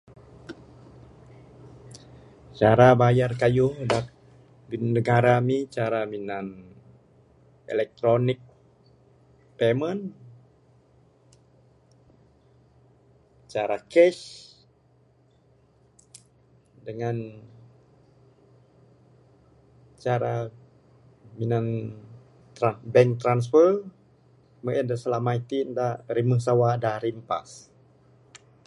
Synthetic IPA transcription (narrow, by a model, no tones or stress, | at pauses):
t͡ʃaɾabajarkajʊhdat̚ | binəɡaɾamit͡ʃaɾaminan | ḛlɛk̚t̪ɾonɪk̚ | pemən | t͡ʃaɾakɛʃ | dəŋan | t͡ʃaɾa | minan | t̪ɾanbɛŋt̪ɾans̬fər | məʔɛndəsəlamajt̪indaɾiməsawadaɾimpa̰s